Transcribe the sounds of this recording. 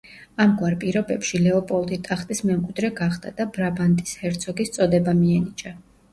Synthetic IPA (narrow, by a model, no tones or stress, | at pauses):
amɡwaɾpʼiɾɔbɛpʃilɛɔpʼɔlˠt̪ʼit̪ʼaχt̪ʼismɛmkʼwid̪ɾɛɡaχd̪a̰d̪̥abɾabant̪ʼishɛɾt̪sʰɔɡist̪sʼɔd̪ɛbamiɛnit͡ʃʼa